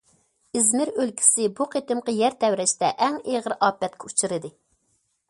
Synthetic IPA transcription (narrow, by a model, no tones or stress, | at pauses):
ɪzmɪɾølkʲʰi̥sɪbuqʰet̪ɨmqəjɛɾt̪ʰɛwɾɛt͡ʃt̪ɛʔɛŋeʁəɾʔɑːpːɛt̪̚kʲʰɛut͡ʃʰɨɾɨd̪ɨ